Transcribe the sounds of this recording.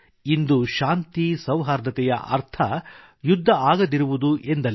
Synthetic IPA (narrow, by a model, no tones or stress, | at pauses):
ind̪uʃaːnt̪isɐwɦaːɾd̪ʱɐt̪ɛjɐ̰ʔɐ̰ɾt̪ʰɐ | jud̪ʱːɐaːɡɐd̪iɾuʋud̪uʔe̞nd̪ɐl